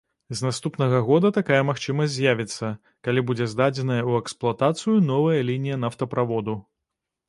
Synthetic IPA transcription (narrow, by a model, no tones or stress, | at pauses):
znast̪upnɐɣɐɣɔd̪ɐt̪akajɐmaxt͡ʂɨmɐsʲzʲjavʲit̪sːɐ | kalʲibud͡zʲɛzd̪ad͡zʲɛnɐjɐuɛksplˠat̪at̪sɨjunɔvɐjɐlʲinʲijɐnaft̪ɐpɾavɔd̪u